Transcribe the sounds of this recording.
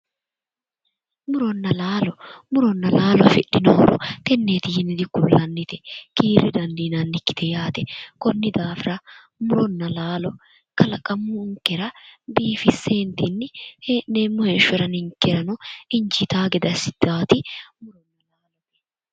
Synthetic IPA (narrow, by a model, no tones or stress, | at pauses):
mʊɾɔnːɐlaːlɔmʊɾɔnːɐlaːlɔɐfɪɗːɪnowɾɔ̰k̪ɛnːeːt̪ɪjɪnɪd̪ɪkːʊlːɐnːɪt̪ɛkiːɾːɪd̪ɐnd̪iːnɐnːɪkːɪ̥t̪ɛjaːt̪ɛkɔnːɪd̪aːfɪɾɐ | mʊɾɔnːɐlaːlɔ | kɐlɐkʼɐmːʊŋkːɛɾɐbiːfɪsːeːnt̪ɪnːɪheːneːmːʊheːʃʊɔɾɐnɪŋkːɛɾɐnɔɪɲt͡ʃɪt̪aːɡɛd̪ɐsɪ̥d̪̥aːt̪ɪmʊɾɔnːɐlaːlɔ